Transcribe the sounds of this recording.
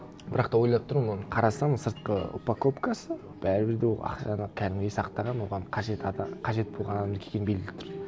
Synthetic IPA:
bɪɾɑqt̪ɑwojlˠɑp̚t̪ʰʊɾmmonqʰɑɾɑsɑmsəɾt̪̚qə̰ṵpakʰopkasə | b̥æɾɪbɪɾd̪ewolˠɑ̰qʃɑnəkʲʰæɾɪmɡ̪ʲejsɑqt̪ɑʁɑnwo̞ʁɑnqʰɑʒet̪qʰɑʒe̞t̪̚bo̞lˠʁɑnɑɑmd̪əkʲʰeɡʲenbeɡɪlɪp̚t̪ʰɾ

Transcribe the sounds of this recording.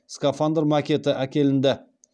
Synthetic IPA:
skafand̪əɾmɑkʲe̞t̪ɪʔækʲe̞lɪnd̪ɪ

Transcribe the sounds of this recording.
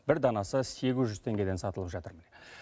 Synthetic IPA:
bɪɾd̪ɑnɑsəse̞ɡʲɪzʒʏzt̪ʰe̞ŋɡʲe̞d̪esɑt̪əlˠəpʒɑt̪əɾmɪn

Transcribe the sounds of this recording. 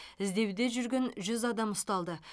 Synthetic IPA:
ɪzd̪e̞wd̪e̞ʒʏɾɡʲe̞nʒʏzɑd̪ɑmʊst̪ɑlˠd̪ə

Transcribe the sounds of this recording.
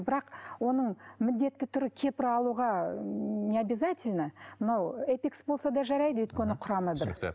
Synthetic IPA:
bɪɾɑqwo̞nəɴmɪld̪e̞t̪ːɪt̪ʰʊɾɪkʲʰe̞pɪɾɑlˠuʁɑ | nʲe̞abɪzatʲɪlʲnəmənɑwepʲiksbo̞lˠsɑd̪ɑʒɑɾɑjd̪əwʏjt̪̚kʲenɪqʰʊɾɑməd̪əɾ̰

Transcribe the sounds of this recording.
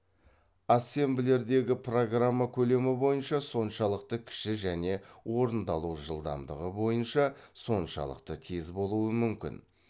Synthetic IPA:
ase̞mbɪle̞ɾd̪e̞ɡʲɪpro̞ɡramːakʲʰɵle̞mɪbo̞jənʃɑso̞nʃɑlˠəq̚t̪əkʲʰɪ̥ʃɪʒæne̞wo̞ɾənd̪ɑlˠuʒəlˠd̪ɑ̰md̪əʁəbo̞jənʃɑso̞nʃɑ̰lˠə̰qt̪ət̪ʰezbo̞lˠuwəmʏmkʲɪ̰n

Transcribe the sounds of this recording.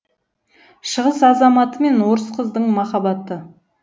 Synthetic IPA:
ʃəʁəsɑzɑmɑt̪əme̞nwoɾəsqʰəzd̪əɴmɑχɑbɑt̪ə

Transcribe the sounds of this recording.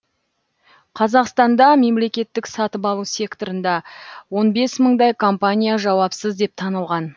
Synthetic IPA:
qʰɑzɑqst̪ɑnd̪ɑme̞mle̞kʲe̞t̪ːɪksɑt̪əpɑlˠusʲe̞kt̪o̞ɾənd̪ɑwo̞nbe̞sməɴd̪ɑjkʰo̞mpanʲijaʒɑwɑpsəzd̪e̞p̚t̪ʰɑnəlˠʁɑn

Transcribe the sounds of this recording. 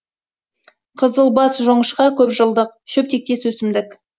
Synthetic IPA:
qʰəzəlˠbɑsʒoɴəʃqɑkʲʰɵpʒəlˠd̪əqʃɵp̚t̪e̞k̚t̪e̞swɵsɪmd̪ɪk

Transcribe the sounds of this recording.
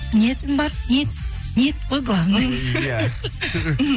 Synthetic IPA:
net̪ɪmbɑɾnʲet̪ | nʲet̪̚qʰojɡlˠavnəm

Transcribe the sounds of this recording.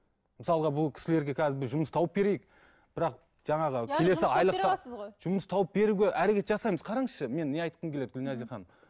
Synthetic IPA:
məsɑlˠʁɑbʊlˠkʲʰɪ̥sɪle̞ɾɡʲe̞kʲʰæzɪbɪzʒʊməst̪ʰɑwəp̚be̞ɾe̞jɪk̚ | b̥ɪɾɑq | ʒ̥ɑɴɑʁəkʲʰe̞le̞ɪɑjlˠəsoʒ̥ʊməst̪ʰɑwəp̚be̞ɾuɡʲe̞ʔæɾe̞kʲe̞t̪ʒɑsɑjməzqʰɑɾɑɴəsʃəme̞nːeɑjt̪̚qəmkʰʲele̞d̪ɪɡʲʏlnæzeχɑn

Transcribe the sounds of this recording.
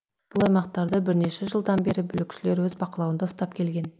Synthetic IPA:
b̥ʊlˠɑjmɑq̚t̪ɑɾd̪əbɪɾne̞ʃeʒəlˠd̪ɑnbe̞ɾɪbʏlɪkʲʃɪle̞ɾwɵzbɑqəlˠɑwənd̪ɑʊst̪ɑp̚kʲʰe̞lɡʲe̞n

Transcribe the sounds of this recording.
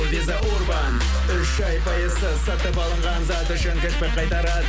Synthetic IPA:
bezɑʔoɾbɑn | ʏʃɑjpʰɑjəzəsɑt̪əpɑlˠəɴʁɑnzɑt̪əʃæŋɡʲɪʃbeqʰɑjt̪ɑɾɑd̪

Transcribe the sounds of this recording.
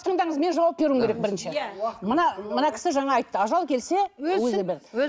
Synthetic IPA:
t̪ʰəɴd̪ɑɴəzme̞nʒɑwɑp̚be̞ɾumkʲeɾek̚bɪɾɪnʃemənɑmənɑkʲʰɪ̥sɪʒɑɴɑːjt̪ːəɑʒɑlˠkʲʰe̞lse̞wɵzebeɾ

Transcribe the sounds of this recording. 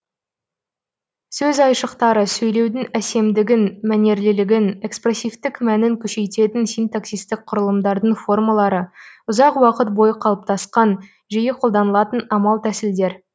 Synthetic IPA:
sɵzɑjʃəqt̪ɑɾəsɵjle̞wd̪ɪŋæse̞md̪ɪɡʲɪnmæne̞ɾlɪlɪɡʲɪne̞kspre̞sʲift̪ɪkmænɪŋkʲʰɵʃe̞jt̪e̞t̪ɪnsijnt̪aksijst̪ɪk̚qʰʊɾəlˠəmd̪ɑɾd̪əɴfo̞rmalˠɑɾəʊzɑqwɑqət̪̚bo̞jəqʰɑlˠəp̚t̪ɑsqɑn | ʒijɪqʰo̞lˠd̪ɑnəlˠɑt̪ənɑmɑlˠt̪ʰæsɪld̪e̞ɾ

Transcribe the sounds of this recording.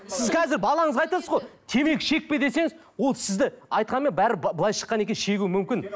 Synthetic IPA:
sɪzkqʰɑzɪɾbɑlˠɑɴəzʁɑjt̪ɑsəzʁojt̪ʰe̞me̞kʲʃe̞k̚ped̪e̞se̞ŋɪz | wo̞lˠsɪzd̪ɪɑjt̪̚qɑnme̞nbæɾɪbəlˠɑjʃə̥qːɑnekʲe̞nʃe̞ɡʲuwɪmʏmkʲɪn

